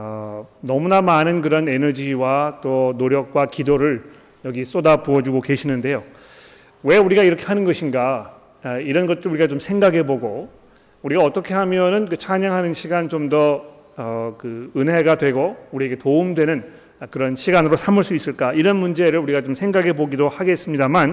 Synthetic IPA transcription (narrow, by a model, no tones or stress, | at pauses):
ʌnʌmunamanɯnk̬ɯɾʌnenʌd͡ʑiwat͈onoɾjʌk̚k͈wakidoɾɯɭ | jʌɡis͈odapuʌd͡ʑuɡoke̞ɕʰinɯnde̞jo | we̞uɾiɡaiɾʌkʰeɦanɯnɡʌɕʰinɡa | iɾʌnɡʌt͈ɯɾɭuɾiɡat͡ɕomsʰe̞ŋɡaɡe̞boɡo | uɾiɡaʌt͈ʌkʰe̞ɦamjʌnɯnkɯt͡ɕʰaɲaŋɦanɯnɕʰiɡant͡ɕomdʌ | ʌkɯɯnɦe̞ɡadwe̞ɡouɾie̞ɡe̞toumdwe̞nɯn | kɯɾʌnɕʰiɡanɯɾosʰamɯɭs͈uis͈ɯɭk͈aiɾʌnmund͡ʑe̞ɾɯɭuɾiɡat͡ɕomsʰe̞ŋɡaɡeboɡidohaɡe̞s͈ɯmɲidaman